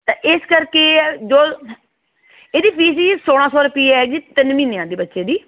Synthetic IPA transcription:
t̪ãːʔɪskəɾkeːd͡ʒoː | eːd̪iːpʰiːsisoːɽ̃ãːsɔːɾʊpiːɛːd͡ʒiːt̪ɪnmĩːnejãːd̪iːbətːʃeːd̪iː

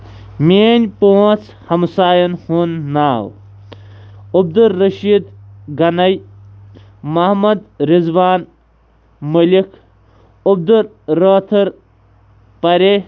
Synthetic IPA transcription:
mʲeːnʲpoːt͡s | hɐmsaːjɐnhunːaːw | ub̚d̪uɾːɐʃiːd̪ɡɐnɐj | mɐhmɐd̪ɾizʋaːn | mɐlikʰ | ub̚d̪uɾ | ɾoːt̪ʰɐɾ | pɐɾe

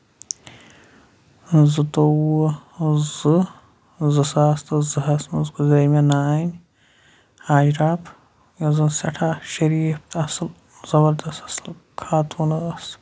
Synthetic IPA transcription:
zɨt̪owu | zɨ | zɨsaːst̪ɨzɨɦɐsmɐzɡuzɐjmɐnaːnʲ | haːd͡ʒɾaːpʰ | jɐzɨnsɐʈʰaʃɐɾiːft̪ʰɐsɨl | z̥ɐbɐɾd̪ɐst̪ɐsɨl | kʰaːt̪ʰuːnɐs

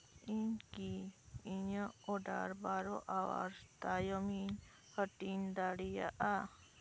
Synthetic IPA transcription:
inkiiɲəoɖa̰ɾbaɾoʔawa̰ɾt̪ajɔmin | həʈind̪aɽija̰ʔa

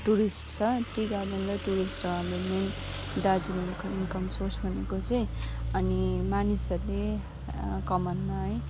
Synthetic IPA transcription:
ʈuɾisʈt͡sʰʌʈiɡad̪ʌnd̪ʌʈuɾisʈoɦãmelmen | ɖad͡zinikinkʌmsorsbʱʌnekot͡sʌj̃ʌnimanisʌrle | kʌmʌnmaɦʌj

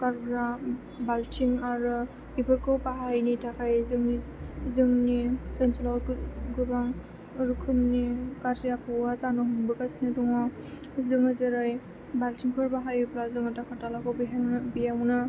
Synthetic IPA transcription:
kaɾbɾa | baltʰiŋaɾɯ | ibɯɾkɯwpaɦajnitʰakʰajzɯŋnizɯŋniɯnsɔlaɡuɾaŋ | ɾukʰɯmnikaɾtiapʰɔazanɔɦunbɯkasinɯdɔŋɔ | zɯŋɯzɯɾaj | baltʰiŋpʰɯɾbaɦajbɾazɯŋɯtakʰatalakɔwbiɦabijawnɯ

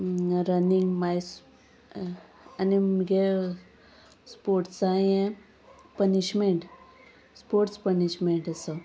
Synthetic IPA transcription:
ɾəniŋɡmajs | aniɡe | spoɾʈsajẽ | pəniɕmeɳʈ | spoɾʈspəniɕmeɳʈəsə

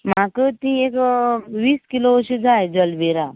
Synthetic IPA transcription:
makət̪iekʋiːskiloəɕid͡zajd͡zəlʋeɾa

